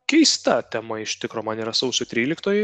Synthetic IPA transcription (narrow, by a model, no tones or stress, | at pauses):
kʲɛɪst̪ɐt̪ʲɛmɐɪʃt̪ʲɪkɾoːmɐniːɾɐsɐʊsʲot̪ʲɾʲiːlʲɪkt̪oːjɛ